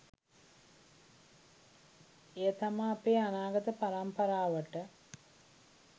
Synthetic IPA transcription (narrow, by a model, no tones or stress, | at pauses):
ejət̪amaːpeːanaːɡət̪əpaɾampəɾaːʋəʈə